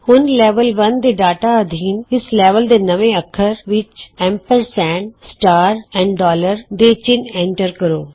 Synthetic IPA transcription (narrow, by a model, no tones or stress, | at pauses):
hʊnlɛːʋəlʋɐnd̪eːɖaːʈaəd̪ʱiːnɪslɛːʋəld̪eːnɐʋẽəkʰːəɾʋɪt͡ʃɛ̃ːmpəɾsɛ̃ːɳsʈaːɾɛ̃ːɳɖɖɔːləɾd̪eːt͡ʃɪnɛ̃ːɳʈəɾkəɾoː